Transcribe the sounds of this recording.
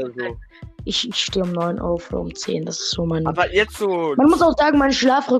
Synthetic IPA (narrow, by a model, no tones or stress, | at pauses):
ʔɪçɪçʃteːʊmnɔʏnʔa̰ʊfɔ̰ʊmt͡sḛːnd̥asɪ̥stz̥oːmanbɐjɛ̥omanmʊsaʊxz̥aːɡŋ̩maɪnʃlaːfʁʏ